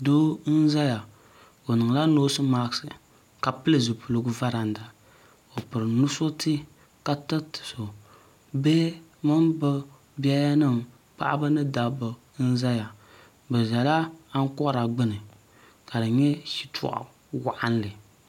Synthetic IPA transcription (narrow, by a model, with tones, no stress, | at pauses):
do˦n̩˦za˦ja˨ | o˨nɨ˨ŋ˨la˦noː˦sɨ˦ma˦ksɨ˨ | ka˨pɨ˦lɨ˦˨zɨ˨pu˨lo˦ɡʊ˦va˦ɾa˨n˦da˨ | o˨pɨ˨ɾɨ˨nu˦so˦tʰɨ˦ | ka˦tɨ˦tɨ̥˨so˨ | bɛː˦mɨ˦mbɨ˦ | bi˦a˦ja˦nɨ˦˨m | pa̰˦ʔa̰˦ba˦nɨ˦da˨bɨ˨˦ | n̩˦za˦ja˨ | bɛ˨za˨la˦a˦ŋ˦kɔ˦ɾa˨ɡ͡bɨ˦nɨ˨ | ka˨dɨ˨ɲɛ˦ʃi˦tʰṵ˦˨ʔa̰˨ | wa˦ʔa˦n˦lɨ˨